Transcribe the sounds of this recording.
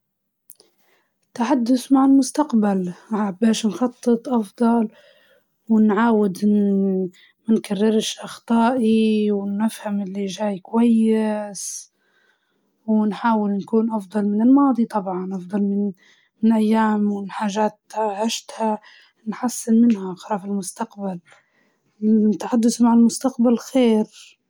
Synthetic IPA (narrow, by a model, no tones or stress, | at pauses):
ɪt̪ːaħad̪ːʊθmaʕalmʊst̪aqbalaʕabeːʃnxɑt̪ˤːɨt̪ˤʔɑfd̪ˤɑl | wɪnʕaːwɪd̪ | mankarːɪɾʃʔɑxt̪ˤɑːʔiwɪnːɪfhamʔɪlːiʒaːjkwajːɪs | wɪnħaːwɪlnkuːnʔɑfd̪ˤɑlmɪnɪlmɑːd̪ˤit̪ˤɑbʕɑnʔɑfd̪ˤɑlmɪn | mɪnʔajːaːmɪnħaːʒaːt̪ʕɪʃt̪ha | nħasːɪnmɪnhaʔxɾɑːfɪlmʊst̪aqbal | ɪnt̪ːaħad̪ːʊsmaʕalmʊst̪aqbalxeːɾ